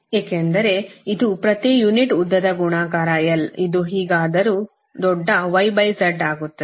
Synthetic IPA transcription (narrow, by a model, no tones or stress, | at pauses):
eːkend̪ɐɾe̞id̪upɾɐt̪ijuniʈud̪ːɐd̪ɐɡuɳaːkaːɾaːjɐlid̪uɦiːɡaːd̪ɐɾu | d̪ɔɖːɐʋɐjbɐjsɐɾɖaːɡut̪ːɐ